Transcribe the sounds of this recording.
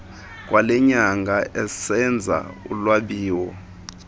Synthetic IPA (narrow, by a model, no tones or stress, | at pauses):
k̬ʼwalɛɲaŋɡʱaʔɛsɛnd͡zʱa̰ulwaɓiːwɔ